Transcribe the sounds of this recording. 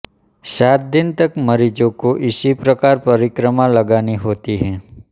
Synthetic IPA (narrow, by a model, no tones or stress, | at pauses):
saːt̪̚d̪ɪnt̪ɐkməɾid͡ʒõkoʔɪsipɾəkaːɾpɐɾɪkɾəmalɐɡaːniɦoːt̪iɦɛː